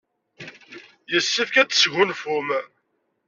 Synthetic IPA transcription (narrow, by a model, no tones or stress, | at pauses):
jəsːifkæt͡sːə̥sʝʊnfʊm